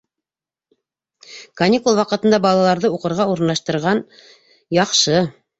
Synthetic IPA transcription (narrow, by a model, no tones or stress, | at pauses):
kɐnʲikulˠwɑqɤ̆t̪ɤ̆nd̪ɑbɑlˠɑlˠɑɾðɤuqɤ̆ɾʁɑuɾnlˠɑʃt̪ɤ̆ɾʁɑn | jɑqʃɤ